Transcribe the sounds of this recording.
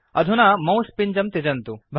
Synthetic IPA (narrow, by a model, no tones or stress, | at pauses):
ɐd̪ʱunamɐ̃wspiɲd͡ʒɐmt̪id͡ʒɐnt̪ubʱ